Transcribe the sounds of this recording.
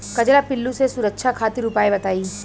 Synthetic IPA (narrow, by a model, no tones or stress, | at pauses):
kɐd͡ʒlapɪlːũsesʊɾəkʃʰakʰaːt̪iɾʊpaːebɐt̪aːiː